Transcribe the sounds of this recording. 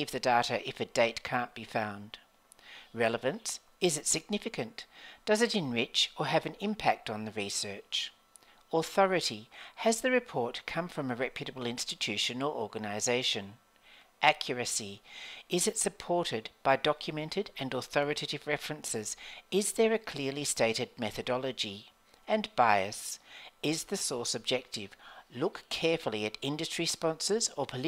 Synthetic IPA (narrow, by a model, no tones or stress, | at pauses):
ivðɨdɑɾɨʔɨfɨdeɪtkʰæ̃nb̥ifãʊ̃nd̥ | ɹɛlˠəvɨ̃ns | ɨzɨtsɨɡ̚nɪfɨkɨ̃nd̥ʌzɨɾɨ̃nɹɪt͡ʃə˞ɨvɨ̃nɪ̃mpʰæk̚tn̩ðɨɹisɜ˞t͡ʃ | əθɔɹɨɾiɨzðɨɹɨpʰɔɹt̚kʰʌ̃ɱfɹʌ̃mɨɹɛpʰjɨɾɨbl̩ˠɪ̃nstɨtʰʉʃɨ̃nəl̩ʔɔɹɡɨnɨɪzeɪʃɨ̃n | ʔækʰjə˞ɨsiɪzɨtsɨpʰɔɹɾɪd̚b̥aɪdɑkʰjɨmɛ̃ntʰɨɾɨ̃nəθɔɹɨɾʰɨɾɨvɹɛfɹɨ̃nsɪzɪzðə˞ɨkʰl̥ɪɹlisteɪɾɨd̚mɛθɨdɑlˠɨd͡ʒi | ɨ̃nbaɪɨsɪzðɨsɔɹsɨb̚d͡ʒɛk̚tɪv̥lʊkʰɛɹfl̩ˠiɨɾɪ̃ndɨstɹ̥ispɑ̃nsə˞zə˞pʰəl